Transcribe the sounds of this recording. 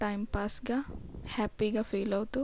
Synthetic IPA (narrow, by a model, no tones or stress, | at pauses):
ʈɐjmpaːsɡɐhaːpːiɡɐfeːlɐwt̪u